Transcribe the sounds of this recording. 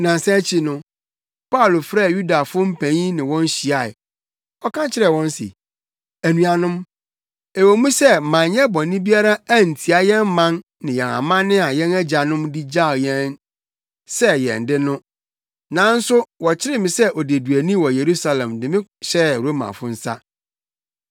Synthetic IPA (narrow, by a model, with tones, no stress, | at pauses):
nã˨n˨sã˦t͡ɕʰi˨nʊ̃˦ | pʰa˦ʊ˨lo˨fɾɛ˦˨ju˦da˨fʊ˦m̩˦pʰæ̃˨ɲĩ˦nɪ̃˨wɔ̃˦n˦ɕi˨a˨ɪ̰˨ | ɔ˦kʰã˦t͡ɕʰɪ˦ɾɛ˨wɔ̃˦n˦sḭ˨ | æ˨nũ˨a˨nʊ̃˦m | ɛ˨wo˨mũ˦sɛ˦˨mã˨ɲɛ˦bɔ̃˨nĩ˦bi˦a˦ɾa˦æ˦n̩˨tʰi˨a˨jɛ̃˦mmã˦n | nɪ̃˨jɛ̃˨nã̰˨mã˦nɪ̃˦a˨jɛ̃˦næ˦d͡ʑa˨nʊ̃˦mdi˦d͡ʑa˦˨jɛ̃˦n | sɛ˦jɛ̰̃˨n˨dɪ˦nʊ̃˦ | nã˨˦n̩˦sʊ˦wɔ˨t͡ɕʰɪ˦ɾɪ˦mɪ̃˨sɛ˦ʔɔ˨de˨du˨æ˨nĩ˦wɔ˨je˨ɾu˦sa˨lɛ̃˨mdɪ̃˨mɪ̃˦ɕɛ˦ɾo˦mã̰˨fʊ˦n̩˦sa̰˦